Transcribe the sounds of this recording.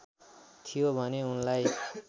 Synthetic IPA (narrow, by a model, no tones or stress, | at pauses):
t̪ʰijobʱʌneunlaj